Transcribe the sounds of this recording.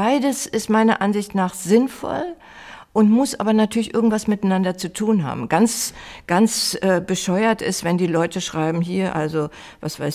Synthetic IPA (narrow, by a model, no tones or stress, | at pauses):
b̥aɪdəsɪstmaɪnɐʔanzɪçtnaːχz̥ɪnfɔ̰l | ʔʊntmʊsʔa̰ːbɐnatʰyɐlɪçʔɪɐɡŋ̩tv̥asmɪtanandɐt͡sutʰuːnɦa̰ːbm̩ɡ̥ant͡sɡ̥ant͡sʔɛːbəʃɔʏɐtɪstv̥ɛndiːlɔʏtəʃʁ̥aɪbm̩ɦiːɐʔalzo | vasv̥aɪs